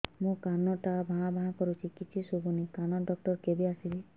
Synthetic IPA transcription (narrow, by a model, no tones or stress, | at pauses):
mũkanɔʈabʱaɦãbʱaɦãkɔɾut͡ʃʰikit͡ʃʰisubunikanɔɖɔk̚ʈɔɾkebiasili